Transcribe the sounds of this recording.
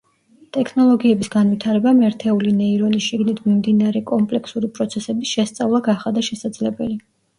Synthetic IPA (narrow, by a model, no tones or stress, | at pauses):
t̪ʼɛkʰnɔlˠɔɡiɛbisɡanvit̪ʰaɾɛbamɛɾt̪ʰɛulinɛiɾɔnisʃiɡnit̪ʰmimd̪inaɾɛkʼɔmpʼlɛkʰsuɾipʼɾɔt̪sʰɛsɛbisʃɛst̪sʼavlˠaɡaχad̪aʃɛsad̪zlɛbɛli